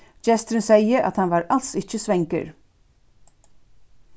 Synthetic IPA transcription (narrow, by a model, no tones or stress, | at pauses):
t͡ʃɛst̪ɾɪnsɛjəʔa̰t̪hanʋaːɾalt̪sɪt͡ʃəsʋɛŋkə̰ɹ